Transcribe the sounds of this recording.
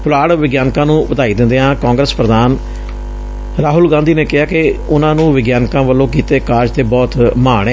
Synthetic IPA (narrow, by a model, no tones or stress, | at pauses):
pʊlaːɽʋɪɡjaːnkãːnũːpət̪aːiːd̪ɪ̃nd̪eːɦãːkãːŋɡɾəspɾəd̪aːn | ɾaːɦʊlɡãːnd̪iːneːkɪɦaːkeʊnãːnũːʋɪɡjaːnkãːʋəlːõːkiːt̪eːkaːɾd͡ʒt̪eːbɔːt̪maːɳ̃ɛː